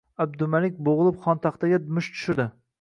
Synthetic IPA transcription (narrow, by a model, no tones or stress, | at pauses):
ab̚d̪ʊmalɪk̚ʲboʁɨlˠɪpχɒnt̪ʰɑqt̪ʰaɡʲad̪ʊmʊʃt͡ʃ̪ʰʊ̥ʃɪd̪ɪ